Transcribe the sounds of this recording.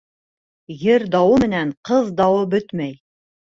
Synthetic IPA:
jɘɾd̪ɑwɤmɘ̆næɴqɤðd̪ɑwɤbɵt̪mæj

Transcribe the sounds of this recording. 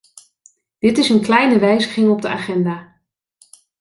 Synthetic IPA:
d̥ɪtɪsənklɛjnəʋɛjzəχɪŋɔb̚dəaːχɛndaː

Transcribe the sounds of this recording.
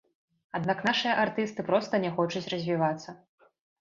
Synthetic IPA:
ad̪naknaʂɨjɐʔart̪ɨst̪ɨpɾɔst̪ɐnʲɛxɔt͡ʂut͡sʲrɐzʲvʲivat̪sːɐ

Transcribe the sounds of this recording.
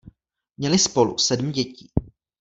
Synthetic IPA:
mɲɛlɪspo̞lṵsɛdm̩ɟɛciː

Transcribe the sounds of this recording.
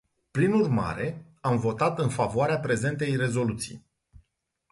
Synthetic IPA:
plinurma̰ɾe̞ | amvo̞t̪at̪ɨnfavoaɾeapɾe̞ze̞nt̪e̞jre̞zo̞lut̪sḭj

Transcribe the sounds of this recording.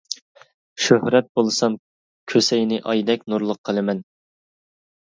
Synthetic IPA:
ʃøhɾɛt̪̚bolˠɨsɑm | kʲʰøsɛjnɪʔɑjd̪ɛkʲnuɾlˠəqʰːəlˠɨmɛn

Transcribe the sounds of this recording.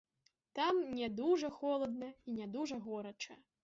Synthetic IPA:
t̪amnʲɛd̪uʐɐxɔlˠɐd̪̚nɐinʲɛd̪uʐɐɣɔɾɐt͡ʂɐ̰

